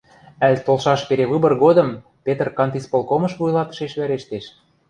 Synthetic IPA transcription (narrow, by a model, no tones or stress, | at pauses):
ælʲt̪olˠʃɑʃpeɾeβɯbɤ̆rɣod̪ɤ̆m | pʲet̪ərkɑnt̪ispolˠkomɤ̆ʃβujlˠɑt̪ɤ̥ə̥̆ʃeʃβæɾeʃt̪eʃ